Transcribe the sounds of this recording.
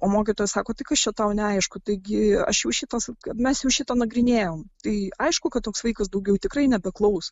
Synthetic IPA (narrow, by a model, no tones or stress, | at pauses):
oːmoːkʲiːt̪oːjsɑːkoːt̪ɐɪkɐʃt͡ʃʲɛt̪ɐʊnʲɛɐɪʃkʊt̪ɐɪɡʲɪɐ̰ʃjɛʊʃʲɪt̪ɐskɐmʲɛsjɛʊʃʲɪt̪ɐːnɐɡɾʲɪnʲeːjoːmt̪ɐɪɐɪʃkʊkɐt̪t̪ːoːksʋɐɪkɐs̬d̪ɐʊɡʲɛʊt̪ʲɪkɾɐɪnʲɛbʲɛklˠɐʊs